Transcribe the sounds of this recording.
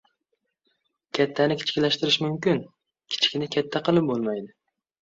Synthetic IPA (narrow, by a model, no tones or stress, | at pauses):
kʲʰat̪ʰːanɪkʲʰɪ̥t͡ʃkʲlaʃt̪ɪɾɪʃmʊmkʲɪn | kʲʰɪ̥t͡ʃʰɪ̥kʲnɪkʲʰat̪ʰːaqɨlˠɪp̚bolˠmajd̪ɪ